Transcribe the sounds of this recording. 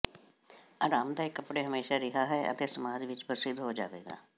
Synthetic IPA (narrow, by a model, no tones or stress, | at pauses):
aːɾaːmd̪aːɪkːəpɽeːɦəmeːʃaːɾɪɦaːɦɛːə̰t̪eːsəmaːd͡ʒʋɪt͡ʃpəɾsɪd̪ɦoːd͡ʒaːʋḛːɡa̰ː